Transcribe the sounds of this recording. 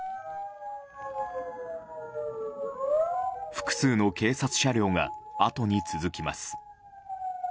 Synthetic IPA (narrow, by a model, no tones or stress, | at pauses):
ɸɯ̟̥kɯ̟̥sɨːno̞ke̞ːsat͡sɨ̥ɕaɾʲo̞ːŋa̰at̪o̞ɲ̟it͡sɨzɨkʲimasɨ̥